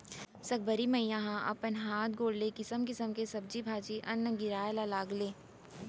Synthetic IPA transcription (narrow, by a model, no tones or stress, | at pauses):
sɐk̚bəɾimɐijãɦãʔɐ̰pənɦaːt̪̚ɡoːɽlekɪsəmkɪsəmkesɐb̚d͡ʒibʱaːd͡ʒiʔɐnːəɡɪɾaːjlalaːɡleː